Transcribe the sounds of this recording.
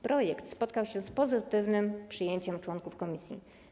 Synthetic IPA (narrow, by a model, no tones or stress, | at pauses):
pɾɔjɛkt̪spɔt̪kawɕɛspɔzɘt̪ɘvnɘmpʂɘjeɲt͡ɕɛmt͡ʂwɔnkufkɔmʲisʲjḭ